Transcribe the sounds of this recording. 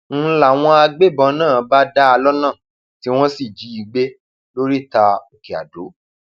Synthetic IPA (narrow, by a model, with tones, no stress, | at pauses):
n̩˦la˨w̃ɔ̃˧a˧ɡ͡be˦˨bɔ̃˧˦nãː˦˨ba˦da˦a˧lɔ˦nãː˦˨ | ti˨˦w̃ɔ̃˦si˦˨d͡ʒi˨˦i˧˨ɡ͡be˦ | lo˦ɾi˦ta˧o˨ke˨a̰˨do˨˦